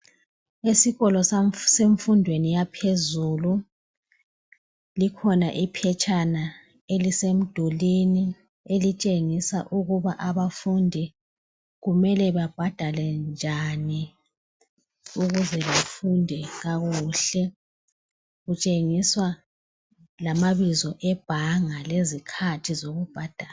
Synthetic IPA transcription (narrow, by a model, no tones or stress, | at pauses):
esiɣɔlɔsseɱfundʱwenijapʰezulu | likʰɔnaʔipʰɛt͡ʃʼana | elisem̩d̥ʱulini | elit͡ʃʼeŋisa̰ʔuɣuβaʔaβafundʱi | ɣumɛlɛβab̥ʱad̥ʱalɛnd͡ʒʱani | uɣuzɛβafundʱɛɣaɣuɬɛ | ɣut͡ʃʼeŋiswa | lamaβizɔʔɛb̥ʱaŋalezikʰatʰizoɣub̥ʱad̥ʱaː